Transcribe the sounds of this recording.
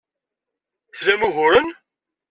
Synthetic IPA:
θɾæmuɣʊɾən

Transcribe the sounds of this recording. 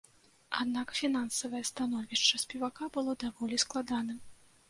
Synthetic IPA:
a̰d̪nakfʲinansɐvɐjɐst̪anɔvʲiʂt͡ʂɐsʲpʲɛvakabɨlˠɔd̪avɔlʲisklˠad̪anɨm

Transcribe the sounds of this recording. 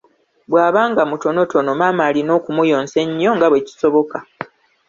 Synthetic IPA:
bwaːβaːŋɡamuto̞no̞to̞no̞maːmaːlino̞ːkumujo̞ːnse̞ɲːo̞ŋɡaβweci̥so̞βo̞ka

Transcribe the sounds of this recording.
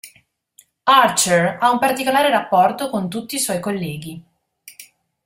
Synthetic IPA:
art͡ʃeraumpart̪ikolaːɾeɾapːɔrt̪okont̪ut̪ːiːswɔjkolːɛːɡi

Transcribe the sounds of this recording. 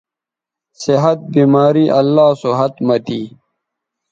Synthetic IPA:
siɦɐt̪̚biːmaːɾiːʔɐlːaːsoɦɐt̪mɐt̪iː

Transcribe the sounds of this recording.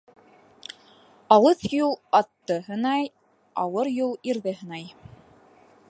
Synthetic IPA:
ɑlˠɤθjulˠɑt̪ːɤɦɤ̆nɑj | ɑwɤɾjulˠiɾðɘɦɤ̆nɑj

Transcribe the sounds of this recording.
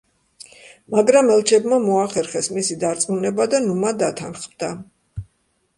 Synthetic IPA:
maɡɾamɛlˠt͡ʃʰɛbmamɔaχɛɾχɛsmisid̪aɾt̪sʼmunɛbad̪anumad̪at̪ʰanχmd̪a

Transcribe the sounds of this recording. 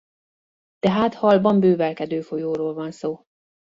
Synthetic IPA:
t̪ɛɦaːt̪hɒlbɒmbøːvɛlkɛd̪øːfojoːɾoːlvɒnsoː

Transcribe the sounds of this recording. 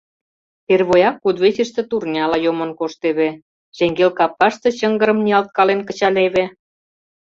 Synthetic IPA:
t̪erβojɑkːud̪βet͡ɕə̆ʃt̪ĕt̪urnʲɑlɑjomɤ̆nkoʃt̪eβĕ | ʒ̥eŋɡelkɑpːɑʃt̪ɤ̆t͡ɕə̆ŋɡə̆ɾə̆mnʲiɑlt̪̚kɑlenkə̆t͡ɕɑlʲeβĕ

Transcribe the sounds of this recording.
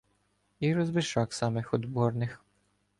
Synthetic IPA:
iɾɔzbɪʃɑksɑmɪxɔd̪bɔrnɪx

